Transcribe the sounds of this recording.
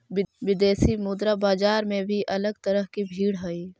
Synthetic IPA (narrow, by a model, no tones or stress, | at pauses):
ʋɪd̪eːsimʊd̪ɾabaːd͡ʒaːɾmẽbʱiʔɐləɡt̪əɾəɦkibʱiːɽɦɐiː